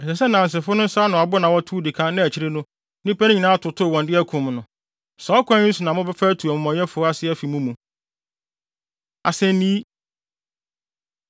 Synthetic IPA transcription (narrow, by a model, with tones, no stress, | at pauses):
ɛ˨sɛ˨sɛ˦nã˨n̩˨s̬ɪ˨fʊ˦nʊ̃˦n̩˦saː˦nʊ̃˨a˨bʊ˦nã˨wɔ˦tʰu˦dɪ˨kʰã˦nɪ̃˦æ˨t͡ɕʰi˦ɾe˦nʊ̃˦ | nĩ˦pɛ̃˦ɲĩ˨nã˦tʰʊ˨tʰʊ˦˨wɔ̃˨ndɪ˦æ˦kʰũ˨m˨nʊ̃˨ | sɔ˨˦kʷʰã˦ɲi˦su˨nã˨mʊ̃˦bɛ˦fæː˦tʰu˨a˨mʊ̃˨mɔ̃˨ɲ˦ɛ̃˦fʊ˨˦a˦sɪ˦ɛ˦fi˨mũ˦mũ˨ | a˨sɛ̃˦nnĩ˦i˦